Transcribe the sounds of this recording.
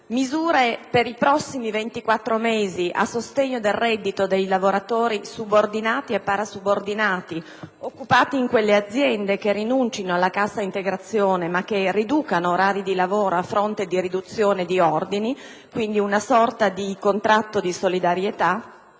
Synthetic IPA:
mizuːɾepeɾipɾɔsːimivent̪ikwat̪ːɾomeːziʔa̰sːost̪eɲːod̪errɛd̪ːit̪od̪ejlavoɾat̪oːɾisubord̪inaːt̪iepːaɾasubord̪inaːt̪i | okːupaːt̪iiŋkwelːead̪zːjɛnd̪ekerinunt͡ʃinoalːakasːaint̪eɡɾat̪sːjoːnemak̟ːerid̪uːkanoːɾaːɾid̪ilavoːɾoafːɾont̪ed̪iɾid̪ut̪sːjoːned̪iɔrd̪ini | kwind̪iunasɔrt̪ad̪ikont̪ɾat̪ːod̪isolid̪aɾjet̪a

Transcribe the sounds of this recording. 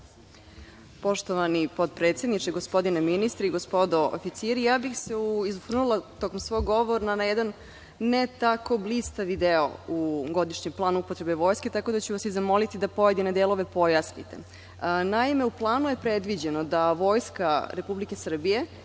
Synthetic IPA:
po̞ʃt̪oʋanipod̪̚pɾet̪sed̪nit͡ʂeɡo̞spo̞d̪ineminist̪ɾeiɡospo̞d̪o̞o̰fit̪siɾijaːbixseuizuxr̩nulˠat̪o̞komsʋo̞jɡo̞ʋoɾnanajɛd̪anː | et̪ako̞blist̪aʋid̪eo̰uɡo̞d̪iʃɲemplˠaːnuupot̪ɾe̞beʋo̞ːjske̞t̪akod̪at͡ɕuʋasizamo̞lit̪id̪apo̞ed̪inad̪eːlˠo̞ʋe̞po̞jasnḭt̪ḛ | naimeuplˠaːnuje̞pɾed̪ʋid͡ʑenod̪aʋo̞ːjskaɾe̞publikesr̩bije̞

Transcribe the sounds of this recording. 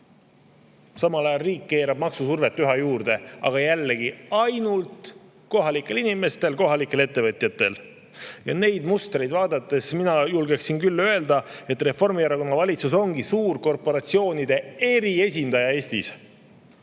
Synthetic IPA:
sɑmɑlɑjɑlriːkːe̞ːɾɑb̥mɑksusurve̞t̪ːyɦɑjuːrd̪̥e̞ɑ̰ɡ̥ɑjælːe̞ɡiɑjnult̪ˑ | ko̞ɦɑlikːˑe̞linime̞st̪e̞lko̞ɦɑlikːˑe̞le̞t̪ːe̞vɤt̪ʲˑjɑt̪ːˑe̞l | jɑne̞jd̪must̪re̞jd̪vɑːd̪ɑt̪ːˑe̞sminɑjulɡe̞ksinkylːø̞e̞ld̪ɑe̞t̪ːˑre̞fo̞rmieɾɑko̞nːɑvɑlʲit̪suso̞ŋɡisuːrko̞rpo̞ɾɑt̪sio̞ːnid̪̥e̞e̞ɾie̞sʲind̪ɑjɑe̞ːst̪is

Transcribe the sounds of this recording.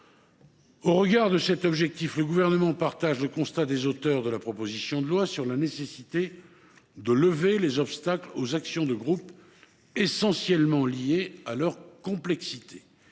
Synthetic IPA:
oʁəɡaʁd̪əsɛt̪ɔbʒɛk̚t̪ifləɡuvɛʁnəmɑ̃paʁt̪aʒləkɔ̃st̪ad̪ezot̪œʁd̪əlapχɔpozisjɔ̃d̪əlwasyʁlanesesit̪e | d̪ələvelezɔpst̪aklozaksjɔ̃d̪əɡʁup | esɑ̃sjɛlmɑ̃lijealœʁkɔ̃plɛksit̪ʰe̥

